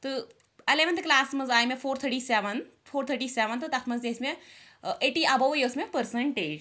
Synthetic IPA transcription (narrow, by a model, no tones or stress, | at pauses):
t̪ɨ | ɐleʋɐnt̪ɨklaːsmɐzaːjmefʰoːɾt̪ʰəɾʈiːsɛʋɐn | fʰoːɾt̪ʰəʈiːsɛʋɐnt̪ɨt̪ɐkʰmɐzd̪esme | ʔeʈiʔɐbɐjoːsmepəɾsɐɳʈeːd͡ʒ